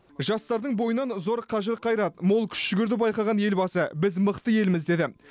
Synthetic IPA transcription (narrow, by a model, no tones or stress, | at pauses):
ʒɑst̪ɑɾd̪əɴbo̞jənɑnzo̞ɾqʰɑʒɪɾqʰɑjɾɑt̪mo̞lˠkʲʰʏ̥sʒʏɡʲɪɾd̪ɪbɑjqɑʁɑnje̞lbɑsəbɪzməqt̪əje̞lɪmɪzd̪e̞d̪ɪ